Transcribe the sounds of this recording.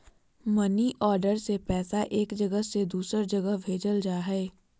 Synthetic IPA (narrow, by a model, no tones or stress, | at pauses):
mɐniʔɔːɾɖəɾsepɛːsaʔeːkd͡ʒɐɡəɦsed̪uːsəɾd͡ʒɐɡəɦbʱeːd͡ʒəld͡ʒaːɦɛː